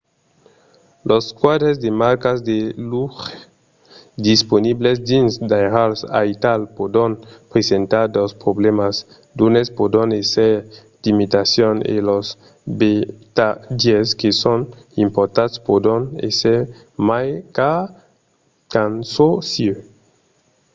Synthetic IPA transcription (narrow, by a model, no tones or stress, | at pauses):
loskwad̪ɾezd̪emaɾkazd̪eluχ | d̪isponiblezd̪inzd̪ajɾaɾsa̰it̪alpod̪onpɾesent̪aɾd̪ospɾoblemaz | d̪unespod̪oneseɾ | d̪imit̪asjonḛlos | bet̪adeskeson | impoɾt̪at̪spod̪ɾonḛseɾ | majka | kansosje